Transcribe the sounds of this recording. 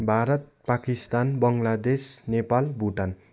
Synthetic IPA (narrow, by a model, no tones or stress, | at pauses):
bʱaɾʌt̪̚pakist̪anbʌŋɡlad̪esnepalbʱuʈan